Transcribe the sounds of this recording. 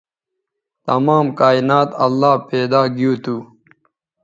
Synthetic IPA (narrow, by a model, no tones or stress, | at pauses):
t̪ɐmaːmkaːinaːt̪ɐlːaːpeːd̪aːɡijuːt̪uː